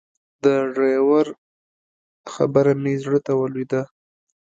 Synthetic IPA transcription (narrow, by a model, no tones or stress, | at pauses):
d̪əʐajawaɾ | xa̰bəɾamezɽət̪awəlid̪a